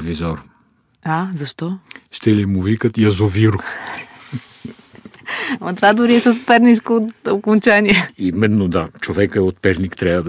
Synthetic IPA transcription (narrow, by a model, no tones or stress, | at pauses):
vizɔɾ | azɐʃt̪ɔʃt̪ɛlimuvikət̪jɐzoviɾʊ | mɐt̪vad̪ʊɾiɛsəspɛɾnit͡ʃkoːt̪okont͡ʃaniɛimɛnːod̪at͡ʃovɛkəɛot̪̚pɛɾnikt̪ɾʲavəd̪